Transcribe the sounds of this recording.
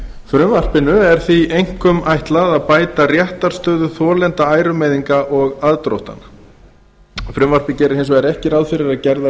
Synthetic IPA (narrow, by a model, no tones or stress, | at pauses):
fɾʏmvar̥pɪnʏɛɾ̥θviejŋ̥kʏmajht̪laðapaːjt̪arjɛht̪aɾ̥st̪œːðʏθɔːlɛnt̪aaːjɾʏmɛjðiŋkaʔɔɣaðt̪ɾo̰wht̪a̰n | fɾʏmvar̥pɪcɛːɾɪɾ̥hejns̬ɔɛɾɛhcɪɾaðfɪɾɪɾaðcɛɾða